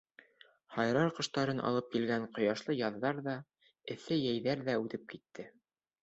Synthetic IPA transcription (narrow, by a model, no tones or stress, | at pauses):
hɑjɾɑɾqɤ̆ʃt̪ɑɾɤnʔɑ̰lˠɤp̚kilɡæɴqŏjɑʃlˠɤjɑðːɑɾðɑ | ɘ̆θɘjæjðæɾðæʉðɘp̚kit̪ːɘ